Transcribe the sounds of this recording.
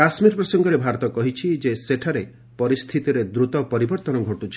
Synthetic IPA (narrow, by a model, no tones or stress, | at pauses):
kasmiɾpɾɔsɔŋɡɔɾebʱaɾɔt̪ɔkɔɦit͡ʃʰid͡ʒeseʈʰaɾe | pɔɾist̪ʰit̪iɾed̪ɾut̪ɔpɔɾibɔɾt̪ɔnɔɡʱoʈut͡ʃʰi̥